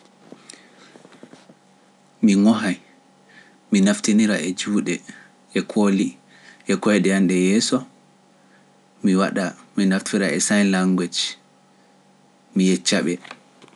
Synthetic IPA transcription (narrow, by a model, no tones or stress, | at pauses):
miŋɔɦaj | minaftiniɾaʔɛd͡ʒuːɗɛ | ɛkʰoli | ʔɛkɔjɗɛanɗɛjɛːsɔ | miwaɗaminaftʰiɾaʔɛsajlaŋɡwɛt͡ʃ | mijɛt͡ʃːaɓɛ